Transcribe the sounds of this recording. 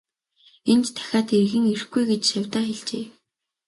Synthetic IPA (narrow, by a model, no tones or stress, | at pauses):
ent̪t̪ʰːæ̥xʲaːt̪erɣɘ̆ŋer̆xɡujɡet͡ɕʃawʲt̪aːxeɮt͡ɕeː